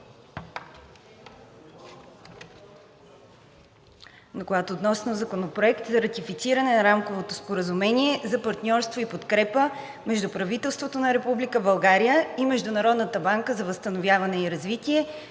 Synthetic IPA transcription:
nokoɡat̪oːt̪nɔsnozɐkonopɾoɛkt̪zɐɾɐt̪ifit̪siɾɐnɛnɐɾamkovot̪ospoɾəzumɛnʲiɛzɐpɐɾt̪nʲɔɾst̪voipot̪kɾɛpə | mɛʒd̪upɾɐvit̪ɛlˠst̪vot̪onɐɾɛpublikəbɐlˠɡaɾijəimɛʒd̪ʊnɐɾɔd̪nət̪əbaŋkəzɐvəst̪ənovʲjavɐnɛiɾɐzvit̪iɛ

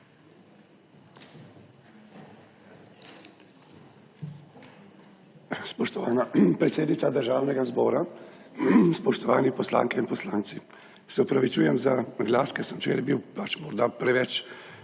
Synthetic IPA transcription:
spɔʃt̪ɔʋaːnapɾɛt̪seːd̪nit̪ad̪əɾʒaːwnɛɡazbɔːɾa | spɔʃt̪ɔʋaːnipɔsla̰ŋkɛinpɔslaːnt̪si | sɛɔpɾaʋit͡ʃuːjɛmzaɡlaːskɛsəmt͡ʃḛːlɛbiwpat͡ʃmɔɾd̪apɾɛʋɛt͡ʃ

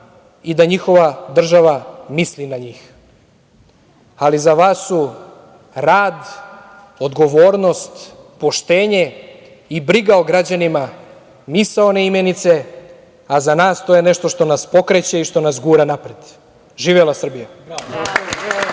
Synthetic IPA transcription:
id̪aɲixo̞ʋad̪r̩ʒaʋamislinaɲiːx | alizaʋaːsːu | ɾaːd̪ | od̪ɡo̞ʋoːɾno̞st̪po̞ʃt̪eːɲe̞ | ibɾiɡaoɡɾad͡ʑanima | misaoneimenit̪se̞ | azanaːst̪o̞jeneʃt̪oʃt̪o̞naspo̞kɾet͡ɕeiʃt̪o̞nas̬ɡuːɾanapɾed̪̥ | ʒiːʋelasr̩bija

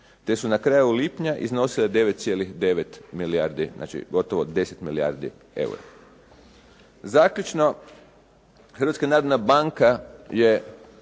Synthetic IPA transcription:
t̪e̞sunakɾajulipɲaʔḭzno̞siled̪e̞ʋet̪t̪sijelixd̪e̞ʋe̞t̪miliaɾd̪iznʔa̰ːt͡ʃḭɡo̞t̪oʋod̪e̞set̪milia̰ɾd̪ḭ | e̞̰wṵɾa̰ | zaːkʎut͡ʃno̞ | xər̩ʋat̪skanaːɾod̪nabaŋkaje̞

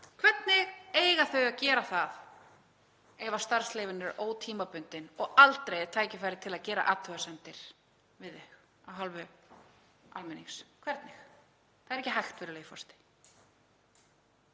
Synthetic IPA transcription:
kʰvɛt̪nɪɣeːjɣaθœɥɣaðcɛːɾaθað | ɛvast̪aɾ̥sleːvɪnʏɾoːwt̪ʰiːmapʏnt̪ɪnɔɣalt̪ɾejt̪ʰaːjcɪfajɾɪt̪ʰɪlaðcɛːɾa̰ʔaːt̪ʰʏɣasɛnt̪ɪɾ̥ | vɪðɛx | awɦɔlvʏ | a̰lmɪniŋskʰvɛɾt̪nɪx | θaðɾɛhcɪɦajxt̪vɛːɾɪleːjɪfɔ̰st̪ɪ̥

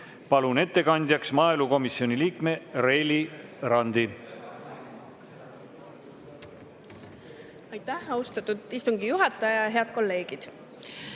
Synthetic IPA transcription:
pɑlune̞t̪ːe̞kɑnd̪̥ʲjɑksmɑːeluko̞misionʲiliːkme̞ɾelʲiɾɑnd̪i | ɑjt̪ːæhɑust̪ɑt̪ːˑud̪̥ist̪uŋɡijuɦɑt̪ːˑɑjɑɦe̞ɑd̪̚ko̞lːe̞ːɡ̥id̪̥

